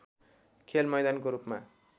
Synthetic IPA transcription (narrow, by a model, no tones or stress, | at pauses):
kʰelmʌjd̪ankoɾupma